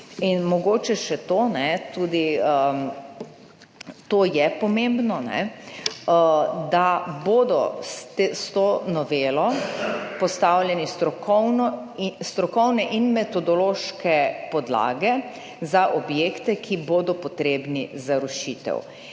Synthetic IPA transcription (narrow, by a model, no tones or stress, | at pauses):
inmɔɡoːt͡ʃɛʃɛt̪onɛt̪uːd̪iə | t̪oːjɛpɔmembnɔnɛ̰ | d̪aboːd̪ɔ̰st̪est̪onɔʋeːlɔpɔst̪awlʲjɛnist̪ɾɔkɔwnɔ | st̪ɾɔkɔwnɛʔinmɛt̪ɔd̪ɔloʃkɛpɔd̪la̰ːɡɛ | zaʔɔbjeːkt̪ɛkʰiboːd̪ɔpɔt̪ɾeːbnizaɾuʃit̪ɛ̰w